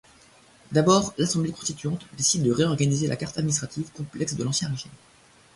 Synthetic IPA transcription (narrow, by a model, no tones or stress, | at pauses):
d̪abɔːʁlasɑ̃blekɔ̃st̪it̪ɥɑ̃t̪d̪esid̪ːəʁeɔʁɡanizelʔa̰kaʁt̪ad̪minist̪χat̪ivkɔ̃plɛksd̪əlɑ̃sjɛ̃ʁeʒim